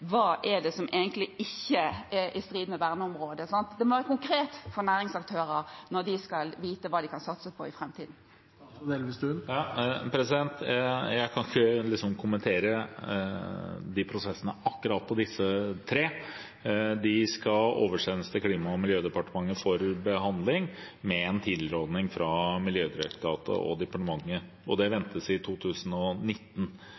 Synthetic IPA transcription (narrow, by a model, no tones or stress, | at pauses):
ʋɑːʔɛɖ̪ɛsɔmʔeːɡənt̪lɪɪçːəɛʔɪst̪ɾiːd̪mɛʋæʁnəɔmʁoːd̪əsɑnt̪d̪ɛmɔʋæːɾəkʊŋkɾeːt̪fɔɾnæːɾɪŋsɑk̚t̪ʰøːɾəɾnɔɾd̪ɪskɑlʋiːt̪əʋɑːd̪ɪkʰɑnsɑt̪səpʰɔɪfɾɛmt̪ʰiːd̪n̩ | d̪eːlʋɪsd̪ʉjɑpʰɾɛsɪd̪ɛnt̪jæɪkʰɑnkəlɪksɔmkʰʊmənt̪ʰeːɾə | d̪ɪpʰɾʊsɛsːənəʔɑkːʉɾɑːt̪̚pʰɔd̪ɪsːət̪ʰɾeː | d̪ɪskɑo̰ːʋəʂɛnəst̪ʰɪkʰliːmɑɔmɪljøːd̪ɛpɑʈəmɑŋːəfɔɾbəɦɑnd̪lɪŋmɛɛnt̪ʰid̪lɾoːd̪nɪŋfɾɑmɪljøːd̪ɪɾɛkt̪ʰɑːt̪ə̰ʔɔ̰d̪ɛpɑʈəmɑŋːə | ʔɔd̪ɛʋɛnt̪ʰəsɪt̪ʰuːt̪ʰʉːsənɔnɪt̪ːən̩